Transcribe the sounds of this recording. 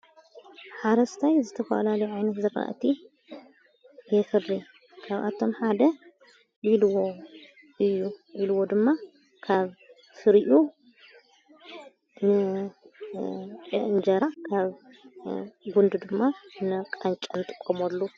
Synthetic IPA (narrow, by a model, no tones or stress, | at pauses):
ħaɾɐst̪ʰajzɨt̪ʰɐfɐ̰lalɐjuʕajnɐt̪zɨɾa̰ʔt̪ʰi | jɛfɨrːi | kʰaβʔa̰t̪ʰːo̞mħad̪ɐ | jilwo | ʔɨjːujilwo̞d̪ɨmːa | kʰaβ | fɨɾʔu | nɨ | t͡ʃʼɛʔnd͡ʒɐɾakʰaβ | ɡund̪d̪ɨmːanɨkʼant͡ʃʼɐmt̪ʼɨ̥kʼːomolːu